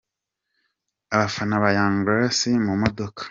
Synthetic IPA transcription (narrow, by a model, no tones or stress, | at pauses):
aβafanaβajaːŋɡasimumodokḁ